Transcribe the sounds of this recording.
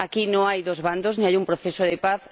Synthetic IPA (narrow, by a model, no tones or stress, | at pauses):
akinõŋajðozβand̪oznẽŋajumpɾoθesoðɪpaθ